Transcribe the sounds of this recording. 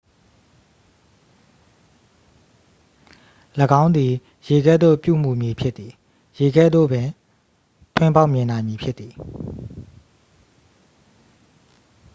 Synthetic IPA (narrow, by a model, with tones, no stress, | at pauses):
ləɡã˦ʊ̃nd̪i˨ | je˨ɡɛ̰˦˨d̪o̰˦˨pjṵ˦˨m̥u˨mji˨pʰjɪ˦t̪t̪i˨ | je˨ɡɛ̰˦˨d̪o̰˦˨bɪ̃˨ | tʰwɪ̃˦mpa˦ʊʔmjɪ̃˨nã˨mji˨pʰjɪ˦t̪t̪ːi˨